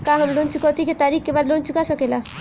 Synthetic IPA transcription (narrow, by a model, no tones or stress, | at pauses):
kaɦəmlont͡ʃukot̪iket̪aːɾikkebaːd̪lont͡ʃukasəkela